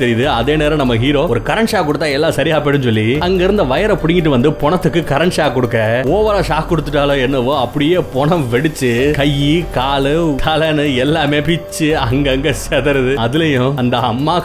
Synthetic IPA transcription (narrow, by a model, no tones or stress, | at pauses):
t̪ɛɾɪjðɯɐðeːneːɾɐnɐmːɐɦiːɾoːɔɾɯkɐɾɐɳʂaːkːɔɽɯt̪ːaːɛlːaːsɐɾɪjaːpeːɽɯnsɔlːiɐŋɡɐɪɾɯnd̪ɐʋɐjɐɾɐpʊɽɪŋɡɪʈ̬ːɯʋɐnd̪ɯpɔɳɐt̪ːɯkːɯkɐɾɐɳsaːkːɔɽɯkːɐːoːʋɐɾaːʂaːkkʊɽɯt̪ːɯʈ̬ːaːloːɛnːɐʋoːɐpːɐɽɪjeːpɔɳɐmʋɛɽɯt͡ʃːɯkɐjːikaːlɯt̪ʰɐlɐnɯɛlːaːmeːpɪt͡ʃːɯɐŋɡɐɐŋɡesɛðɐɾɯðɯɐðɯlɐjʊ̃ɐnd̪ɐɐ̰mːaː